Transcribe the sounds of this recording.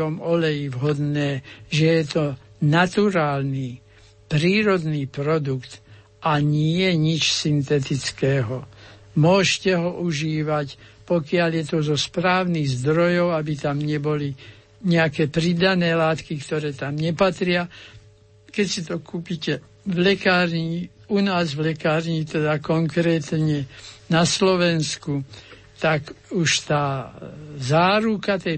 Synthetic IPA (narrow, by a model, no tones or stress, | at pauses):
ɔmɔlɛjivɦɔd̪nɛːʒɛjɛt̪ɔ | nat̪uɾaːlni | pɾiːɾɔd̪niːpɾɔd̪ukt̪ | ʔaɲɪɛjɛɲit͡ʃsint̪ɛt̪it͡skɛːɦɔ | mʊɔʃcɛɦɔʔuʒiːʋacpɔkɪaljɛt̪ɔzɔspɾaːʊniɣzd̪ɾɔjɔʊabit̪amɲɛbɔli | ɲɛakɛːpɾid̪anɛːlaːt̪kikt̪ɔɾɛːt̪amɲɛpat̪ɾɪa | kɛcsit̪ɔkuːpicɛ | ʋlɛkaːɾɲiunaːzʋlɛkaːɾɲit̪ɛd̪akɔŋkɾɛːt̪ɲɛnaslɔʋɛnsku | t̪akuʃt̪aː | zaːɾukat̪ɛ